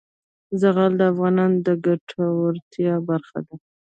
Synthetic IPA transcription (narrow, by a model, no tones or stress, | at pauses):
zaɣald̪əafɣɑnɑnd̪əɡaʈʰawaɾt̪jɑbaɾxa̰d̪a